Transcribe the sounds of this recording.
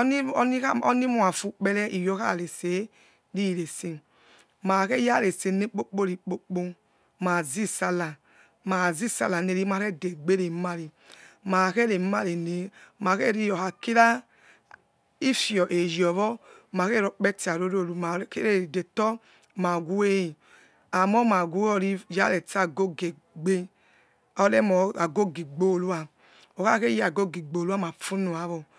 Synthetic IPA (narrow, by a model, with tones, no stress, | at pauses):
i˦ni˦a˦ɔ˦ni˦mu˦a˨fu˦k͡pe˦lɛ˦ʔi˨jo˦ka̰˦˨ɾe˨se˨ | ɾi˦˨ɾe˨si˦ | ma˨ke˦ja˦˨ɾe˨se˨ne˦k͡po˦k͡po˦ɾi˨k͡po˦k͡po˦ | ma˨zi˦sa˦la˨ | ma˨zi˦sa̰˦la˨ne˨ɾi˦ma˨ɾe˦˨de˨ɡ͡be˦ɾe˨˦ma˦ɾi˨ | ma˨ke˦ɾe˨˦ma˦ɾe˨ne˨ma˨ke˦˨ɾi˦jɔ˨ha˨ki˦ɾa˦ | i˦fi˨ɔ˨ʔe˨jɔ˨βɔ˦ | ma˨ke˦ɾɔ˨k͡pɛ˦ti˨a˨ɾo˦ɾo˦˨u˨ma˨ke˦ɾe˦˨de˨tɔ˦ | ma˨ɡu˦e˦˨ | a˨mɔ˦ma˨ɡʷu˦ɔ˨ɾi˦ja˦le˨ta˦˨ɡo˦ɡe˨ | ɡ͡be˦ | ɔ˨˧le˦mɔ˨a˨ɡo˦ɡi˨ɡ͡bo˦˨lu˦a˨ | o˨ka˦ke˦ja˨ɡo˦ɡi˨ɡ͡bo˨lu˦a˦ma˨fu˦nu˨a˨˦βɔ˨